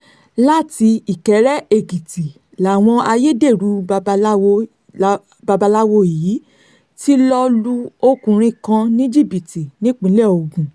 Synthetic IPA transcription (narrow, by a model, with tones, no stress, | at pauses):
la˦ti˧i˨kɛ˨˦ɾɛ˦e˧ɡi˨ti˨ | la˨w̃ɔ̃˧a˧je˦de˦˨ɾu˨˦˧w | ba˧ba˧la˦wo˧i˨ji˨˦ | ti˦lɔ˦lu˦o˦kũ˨ɾ̃ĩ˧kã˧nĩ˦d͡ʒi˦˨bi˨ti˨nĩ˦k͡pĩ˧˦lɛ˦˨o˧˨ɡũ˨